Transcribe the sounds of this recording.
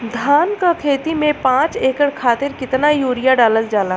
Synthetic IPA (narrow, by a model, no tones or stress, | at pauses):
d̪ʱaːnkakʰeːt̪imẽpãːt͡ʃeːkəɽkʰaːt̪ɪɾkɪt̪najuːɾɪjaɖaːləld͡ʒaːlaː